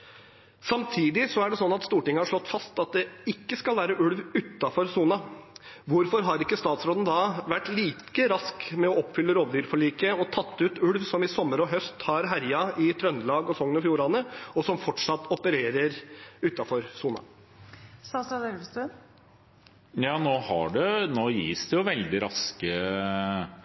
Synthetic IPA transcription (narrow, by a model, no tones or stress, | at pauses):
sɑmt̪ʰiːd̪ɪsɔæɖɛsɔnːɑt̪st̪uːʈɪŋːəhɑʂɭɔt̪ːfɑst̪ɑt̪̚d̪ɛɪkːəskɑlʋæːɾəʔʉɽʋʉt̪ːɑfɔɾsuːnɑʋʊɾfɔɾɦɑɾɪkːəst̪ɑːt̪sɾoːd̪n̩d̪ɑːʋæʈːliːkəɾɑskmɛɔɔpːfʏlːəɾoːʋd̪yːɾfɔɭiːkəɔt̪ʰɑt̪ːʉːt̪ʉlʋsɔmɪsɔmːəɾɔɦœst̪hɑɾɦæɾjɑʔɪt̪ʰɾœnːlɑːɡɔsɔŋːənɔfjuːɾɑnəɔsɔmfɔʈʂɑt̪ːɔpəɾeːɾəɾʉːt̪ːɑfɔɾsuːnɑ̰ | sɑsɑd̪ɛlʋst̪øn | jɑːnoːhɑ̰ɖɛnoːjḭːsd̪ɛjʊʋɛld̪ɪɾɑskə